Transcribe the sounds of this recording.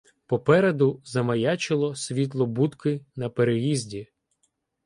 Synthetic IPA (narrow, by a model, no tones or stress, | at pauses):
pɔpɛɾed̪ʊzɐmɐjɑt͡ʃɪlˠɔsʲʋʲit̪̬lˠɔbut̪kɪnɐpeɾejizʲdʲi